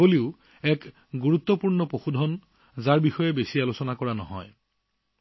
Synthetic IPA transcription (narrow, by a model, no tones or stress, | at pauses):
oliʊ | ɛk | ɡuɹut̪ːɔpuɹnɔpoxudʱɔn | zaɹbixɔjɛbesialosɔnakɔɹanɔ̰ɦɔ̰j